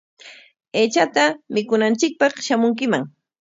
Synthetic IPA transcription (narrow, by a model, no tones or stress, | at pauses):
eːt͡ʃat̪amɪkʊnant͡ʃɪk̚pɑχʃamʊŋkɪmaŋ